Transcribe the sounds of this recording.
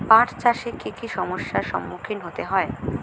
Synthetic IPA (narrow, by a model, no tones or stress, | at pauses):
pãʈt͡ɕaʃekikʰiʃɔmoʃːaɾʃɔ̰mːukʰinɦot̪eɦɔe